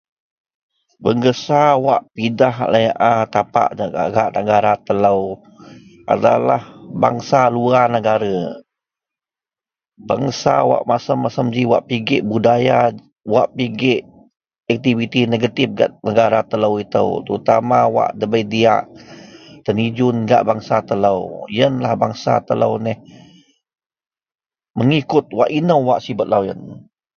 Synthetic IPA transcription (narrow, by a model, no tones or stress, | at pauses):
bəŋɡəsawaʔpidahaʔləjaʔat̪apa̰ʔaɡaʔnəɡaɾat̪ələw | ʔa̰dalahba̰ŋsaluanəɡaɾə | baŋsa̰wa̰ʔmasəmːasəmd͡ʒiwaʔpiɡɪʔbudaja | waʔpiɡɪʔ | ɛk̚t̪ivit̪ineɡət̪if̚ɡa̰ʔnəɡaɾat̪ələwit̪ə̰wt̪əɾut̪amawa̰ʔdəbəjdia̰ʔ | t̪ənid͡ʒʊnɡa̰ʔbaŋsat̪ələwjənlahbaŋsa̰t̪ələ̰wnɛh | məŋikʊt̪̚waʔinəwːaʔsibət̪̚lawjə̰n